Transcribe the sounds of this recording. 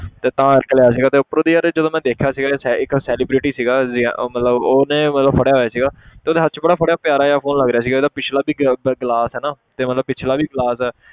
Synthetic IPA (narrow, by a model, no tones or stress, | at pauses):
t̪eːt̪ãːəɾkljaːs̬iːɡaːt̪eːʊpːəɾõːd̪iːəɾd͡ʒəd̪õːmɛ̃ːd̪eːkʰjaːsiːɡaːɪksɛːlɪːbɾɪʈiːsiːɡaːzɪmət̪ləboːnẽːmət̪ləbpʰəɽjaːɦoːjaːsiːɡaːt̪eːoːd̪eːɦəɾt͡ʃbəɽaːpʰəɽjaːpjaːɾaːjaːpʰoːnləɡɾejaːs̬iːɡaeːd̪aːpɪt͡ʃʰlaːbiːɡɡlaːsɦɛːnaːt̪eːmət̪ləb̚pɪt͡ʃʰlaːbiːɡəlaːsɛː